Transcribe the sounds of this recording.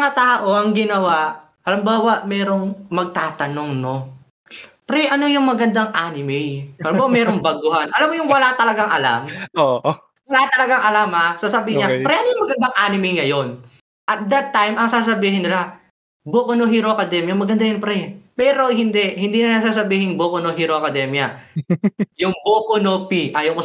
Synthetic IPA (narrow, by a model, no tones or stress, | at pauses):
mɐŋɐt̪aːʔo̞ʔɐŋɡɪnɐwaʔ | hɐlɪmbaːwɐʔmɛːɾo̞ŋmɐɡ̚t̪aːt̪ɐno̞ŋno̞ | pɾɛʔɐno̞jʊŋmɐɡɐnd̪aŋʔaːnɪmɛjɐlɪmbaːwamɛːɾoŋbɐɡʊɦanʔɐlamːojʊŋwɐlat̪ɐlɐɡaŋʔɐla̰mo | wɐlat̪ɐlɐɡaŋʔɐlamhasasabiɪɲapɾɛʔɐnojʊŋmɐɡɐnd̪aŋʔaːnɪmɛjŋɐjo̞n | ʔɐt̪̚d̪ɐt̪ːajmʔɐŋsaːs̬ɐbiːhɪnːɪla | boːkonohiɾokɐd̪ɛmjɐmɐɡɐnd̪ajʊnpɾɛpɛːɾo̞hɪnd̪ɛʔhɪnd̪inɐnas̬aːs̬ɐbiːhɪŋboːkonoɦiɾoɐkɐd̪ɛmjɐ | jʊŋboːkonopiʔajoko